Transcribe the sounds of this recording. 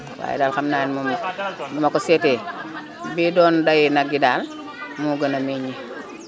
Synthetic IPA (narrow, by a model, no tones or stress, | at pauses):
wa̰jḭdaːlxamnaːnmumaɲumakosete | bidɔːndajinaɡidaːl | muɡənameɲi